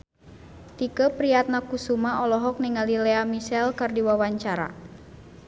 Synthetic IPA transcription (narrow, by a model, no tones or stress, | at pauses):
t̪ikəpɾiat̪̚nakusumaʔɔlɔɦɔk̚niŋalilɛamisɛlkardiwawaɲt͡ʃaɾa̰